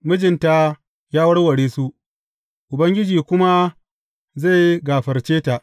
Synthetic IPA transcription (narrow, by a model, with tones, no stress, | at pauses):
mʊ˦d͡ʒɪ˨nta˦ | jaː˦wɐ˦ɽwɐ˨ɽeː˦su˦ʔ | ʔʊ˨bɐ˦ŋɡʲɪ˦d͡ʒiː˨kʷʊ˦ma˦ | za˦˨jɡaː˨ɸɐ˨rt͡ʃeː˦ta˨ʔ